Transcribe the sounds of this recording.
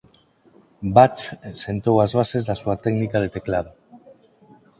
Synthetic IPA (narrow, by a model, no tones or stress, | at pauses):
bat͡ʃsent̪owazβ̞asezðasuat̪ɛknikaðet̪eklað̞o